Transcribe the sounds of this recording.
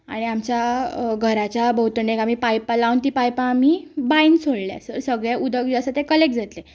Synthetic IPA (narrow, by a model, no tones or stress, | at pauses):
a̰ɽ̃iamt͡ɕjaɡʱəɾat͡ɕjabəɦut̪ɳekam̤iːpajpalawnt̪iːpajpãːm̤ibainsoɽlja̰səɾsəɡɭjẽʔud̪əɡd͡ʑəsət̪ekəlek̚d͡zʱat̪le